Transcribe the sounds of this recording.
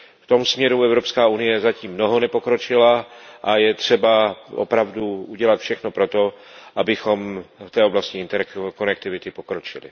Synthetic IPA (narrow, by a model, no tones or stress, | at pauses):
ft̪o̞msmɲɛɾuɛvɾo̞pskaːunɪjɛzaciːmːno̞ɦo̞nɛpo̞kɾot͡ʃɪlaʔajɛt̪r̝̥ɛbaʔo̰pɾavduuɟɛlat̪fʃɛxnopɾo̞t̪o̞ | ʔabɪxo̞mft̪ɛːo̞blascɪɪnt̪ɛɾkonɛk̚t̪ɪvɪt̪ɪpokɾot͡ʃɪlɪ̰